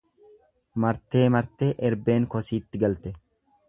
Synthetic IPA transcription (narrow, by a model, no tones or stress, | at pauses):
mɐɾt̪ːe̞ːmɐɾt̪eːʔɛɾbeːŋkɔsiːt̪ːɪɡɐlt̪ɛ